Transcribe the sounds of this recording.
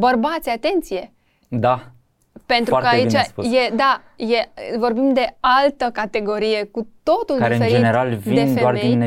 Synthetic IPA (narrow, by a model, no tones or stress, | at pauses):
bərbat̪sʲat̪e̞nt̪sije̞ | d̪a | pe̞nukəait͡ʃajed̪a | je̞vo̞rbimd̪e̞alt̪əkat̪e̞ɡo̞ɾije̞kut̪o̞t̪uldkaiɾeɨneɾd͡ʒeneɾalvid̪efdearmeij̪